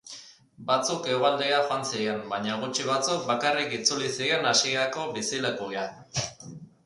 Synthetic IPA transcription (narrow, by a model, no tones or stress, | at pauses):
bat͡suke̞uɣald̪eaxoansiɣembaɲaɣ̞ut͡ʃiβ̞at͡suk̚bakarikit͡sulisie̞nasieako̞βisilekuɣea